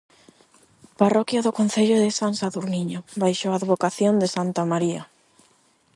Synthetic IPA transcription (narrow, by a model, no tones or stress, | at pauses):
parɔkjaðʊkõnθeʎoðɪsaŋsaðuɾniɲobajʃoaːðβokaθjond̪ɪsant̪amaɾiɐ